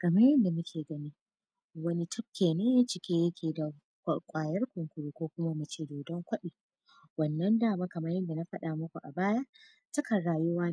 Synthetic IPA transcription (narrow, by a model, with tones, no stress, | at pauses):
kɐ˨mɐ˦jɐ˦nda˨mʊ˦kʲʰeː˨ɡɐ˦niː˦ | wɐ˦ni˦tʊ˦p̚kʲːeː˨neː˦jaː˦t͡ʃɪ˨kʲeː˦jɐ˦kʲʰeː˨da˨ | kʷkʷʼaː˨jɐ˦rkʷʊ˨ŋkʷʊ˨ɽuː˦kʷoː˦kʷʊ˦ma˦mɐ˨t͡ʃeː˦˨doː˨dɔ˦ŋkʷɐ˦ɗiː˨ | wɐ˨nːɐ˦ndaː˦˨ma˦kɐ˨mɐ˦ɾjɐ˦nda˨na˦ɸɐ˦ɗa˨mʊ˦kʷu˨ʔa̰˨baː˦ja˦ʔ | tɐ˦kɐ˨ɽaː˨jʊ˦waː˦